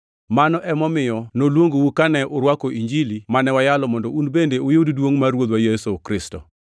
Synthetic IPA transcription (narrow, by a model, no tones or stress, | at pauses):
manɔʔɛmɔmɪjɔnolwoŋɡowukanɛʔʊɾwakoʔiɲd͡ʒilimanɛwajalɔmɔndɔunbendeojoddwoŋmaɾwod̪wajesokɾɪstɔ̰